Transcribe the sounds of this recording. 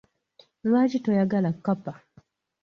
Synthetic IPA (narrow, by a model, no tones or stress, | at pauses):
ɾad͡ʒitɔjaɡalakapa